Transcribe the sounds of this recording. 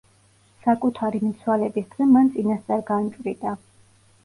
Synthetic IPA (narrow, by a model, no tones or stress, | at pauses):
sakʼut̪ʰaɾimit̪sʰwalɛbisd̪ɡɛmant̪sʼinast̪sʼaɾɡant͡ʃʼɾid̪ʼa